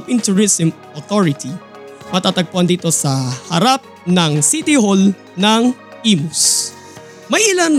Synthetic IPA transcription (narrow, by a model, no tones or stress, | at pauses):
pɪnt̪ʊɹisɛmʔot̪oɹɪt̪i | mɐt̪at̪ɐɡ̚poɐnd̪iːt̪o̞sɐhɐɾap̚nɐŋsit̪ɪhol | nɐŋ | ʔiːmʊs | mɐjʔɪlan